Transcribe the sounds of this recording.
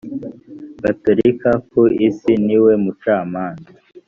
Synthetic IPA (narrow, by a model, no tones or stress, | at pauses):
ɡatoɾikakoisiniwe̞mut͡ʃaːmaːnza